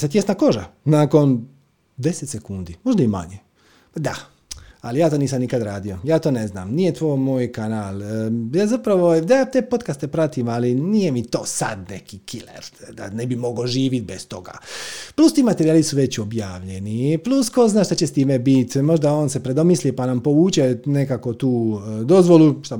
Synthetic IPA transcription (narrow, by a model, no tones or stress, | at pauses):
set̪jesnako̞ʒanaːko̞n | d̪e̞set̪sekund̪imo̞ʒd̪aima̰ɲe | d̪a | alijaːt̪oːniːsamnikad̪ɾaːd̪ijo̞jaːt̪o̞ːne̞zna̰ːmnijet̪ʋo̞ːjmoːjkanaːljaːzapɾaʋo̞d̪jaːt̪eːpo̞t̪kast̪e̞pɾat̪imalinije̞mit̪o̞ːsa̰d̪nekikilḛɾd̪a̰nebimo̞ɡoʒiːʋit̪̚best̪o̞ɡa̰ːplˠust̪iːmat̪eɾiaːlisuʋe̞t͡ɕo̞bjaːʋʎe̞niplusko̞znaːʃt̪at͡ɕe̞st̪iːmebit̪mo̞ʒd̪ao̞ːnse̞pɾe̞d̪o̞mislipanampo̞ʋuːt͡ʃenekako̞t̪uːd̪o̞zʋo̞luʃt̪a